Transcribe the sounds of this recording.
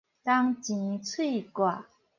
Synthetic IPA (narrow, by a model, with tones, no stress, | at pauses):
t̪a˥ŋt͡ɕi˩˨t͡sʰu˥i˨ka˥˩˨